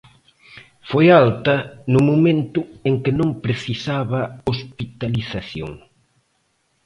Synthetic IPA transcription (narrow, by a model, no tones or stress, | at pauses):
fojalt̪ɐnʊmomẽnt̪ʊeŋkɪnõŋpɾeθisaβɐospit̪aliθaθjo̰ŋ